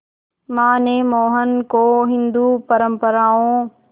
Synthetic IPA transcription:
mãːnẽːmoːɦənkoːɦɪ̃nd̪uːpəɾə̃mpəɾaːõː

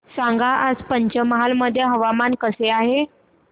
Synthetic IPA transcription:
sãŋɡaʔad͡zpəɲt͡ɕəməɦalməd̪ʱjəɦəʋamankəseaɦe

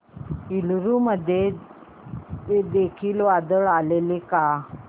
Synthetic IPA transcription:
ilɾuməd̪ʱːje | ed̪ekʰiːlʋad̪əɭaleleka

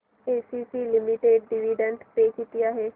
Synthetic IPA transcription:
eːsiːsiːlɪmiʈeːɖːɪʋiːɖəɳʈpeːɪt̪ːɪjaːɦeː

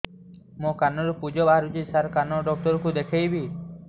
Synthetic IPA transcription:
mokanɔɾupud͡ʒɔbaɦaɾud͡ʒisaɾkanɔɖɔk̚tɔɾɔkud̪ekʰejbi

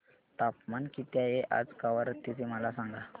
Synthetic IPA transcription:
t̪apmankit̪jajeʔa̰d͡zkaʋəɾt̪it̪ʰeməlasaŋɡa

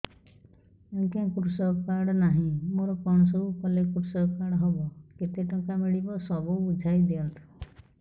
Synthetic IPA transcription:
ẽŋkẽkɾusɔkaɾɽɔnaɦĩmoɾɔkɔɳ̃ɔsɔbukɔlekɾusɔkaɽɔɦɔbɔket̪eʈɔŋkamiɭibɔsɔbuud͡ʒʱajd̪eɔt̪ʰu̥

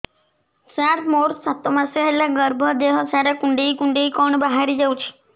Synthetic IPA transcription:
saɾmoɾsat̪ɔmaseɦelaɡəɾbʱɔd̪eɦɔsaɾakuɳɖeikuɳɖeikɔɳbaɦaɾid͡ʒawt͡ʃʰi̥

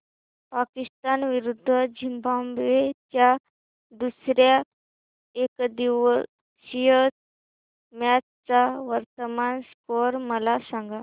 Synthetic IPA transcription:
pakist̪anʋiɾud̪ʱːəd͡ʑimbambʋet͡ɕja | d̪usɾja | ekd̪iʋə | ɕijə | mjat͡st͡saʋəɾt̪əmanskoɾməlasaŋɡa

